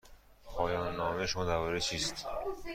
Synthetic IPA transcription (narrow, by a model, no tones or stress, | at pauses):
pʰɒːjɒːnːɒːmeʃmɔd̪ævɒɾet͡ʃʰiːst̪